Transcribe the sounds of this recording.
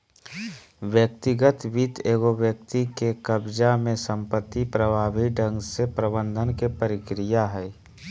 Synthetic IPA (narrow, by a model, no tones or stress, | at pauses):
ʋjəkt̪ɪɡət̪ʋit̪eːɡoʋjəkt̪ikekəbd͡ʒamẽsə̃mpət̪ːipɾəbʱaːbʱiɖʱə̃ŋɡsepɾəbə̃nd̪ʱənkepəɾɪkɾijaɦɛː